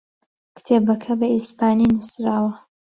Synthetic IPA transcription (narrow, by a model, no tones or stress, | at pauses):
kɪ̥t̪ʰeːbɐkʰɐbɐispaːninusɾaːwɐ